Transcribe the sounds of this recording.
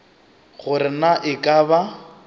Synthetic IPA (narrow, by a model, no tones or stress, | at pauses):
χʊɾɪnaʔɪkʼaba